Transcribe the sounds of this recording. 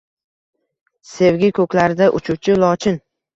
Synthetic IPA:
se̞wɡʲɪkʰɵkʲlaɾɪd̪aʔʊt͡ʃʰut͡ʃʰɪlɒt͡ʃʰɪn

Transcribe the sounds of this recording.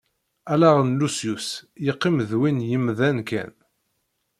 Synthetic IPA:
ælæʁənlusjusjəqːiməðwinjəmðænkæ̰n

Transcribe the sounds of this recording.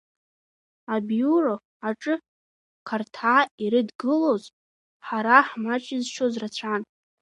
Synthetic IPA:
abjuro | aʈ͡ʂʼɨ | kʰartʰaːiɾɨdɡɨloz | ħaɾaħmat͡ʃʼɪzʃozrat͡ɕʷʰan

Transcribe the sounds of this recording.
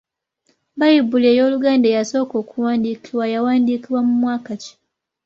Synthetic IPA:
bajibuleːjo̞ːluɡaːndejaso̞ːko̞ːkʰuwaːndiːkiwajawaːndiːkiβwamumwaːkaci̥

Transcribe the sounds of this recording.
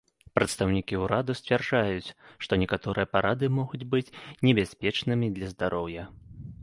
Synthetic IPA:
pɾɐt̪st̪ɐwnʲikʲiuɾad̪usʲt͡sʲvʲarʐajut͡sʲʂt̪ɔnʲɛkat̪ɔɾɨjɐpaɾʔad̪ɨmɔɣud͡zʲbɨt͡sʲnʲɛbʲasʲpʲɛt͡ʂnɨmʲid̪lʲɐzd̪aɾʔɔwjɐ

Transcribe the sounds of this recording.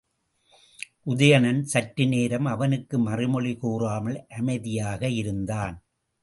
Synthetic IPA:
ʔʊðɐjɐnɐnsɐʈɾɪneːɾɐmɐʋɐnɯkːɯmɐrɪmɔɭɪkuːraːmɐɭʔɐmɐɪðɪjaːɣɐɪɾɯnd̪aːn

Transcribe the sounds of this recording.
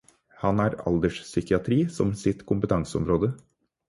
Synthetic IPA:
hɑnæːɾɑ̰ld̪əʂsʏkɪɑt̪ʰɾiːsɔmsɪt̪kʰʊmpət̪ɑŋsəɔ̰mɾoːd̪ə

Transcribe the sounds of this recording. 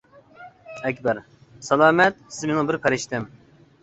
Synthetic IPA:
ɛkʲbɛɾ | sɛlˠɑːmɛt̪̚sɪzmenɪ̃biɾpʰɛɾɪʃt̪ʰɪm

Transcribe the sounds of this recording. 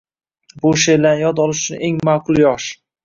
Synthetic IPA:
bʊʃelanjɒd̪ɒlˠɪʃʊ̥t͡ʃʰʊneŋmaːqʰʊlˠjɒʃ

